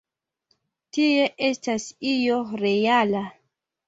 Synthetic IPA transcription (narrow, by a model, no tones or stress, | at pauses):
tie̞ʔe̞stasijo̞ɾe̞jala